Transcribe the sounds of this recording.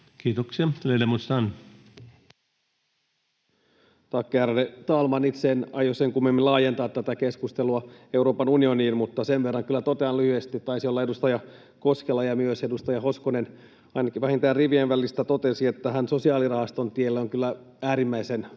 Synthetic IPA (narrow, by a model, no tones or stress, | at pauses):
kiːt̪oksiɑlelemust̪ɑn | t̪ɑkːeærlet̪ɑːlmɑnit̪seːnɑjoseŋkumːimːilɑːjent̪ɑːt̪t̪ːæt̪ækeskust̪eluɑe̞uɾo̞ːpɑnunio̞niːnmut̪ːɑseʋʋerːɑŋkylːæt̪ot̪eɑnlyhyest̪it̪t̪ɑisio̞lːɑe̞dust̪ɑjɑ | ko̞skelɑjɑmyøsedust̪ɑjɑho̞skonen | ɑjnɑkiʋæhint̪æːrriʋienʋælist̪æt̪ot̪esiet̪ːæɦænso̞siɑːlirɑhɑst̪ont̪ielːoŋkylːæ | æːɾimːæisen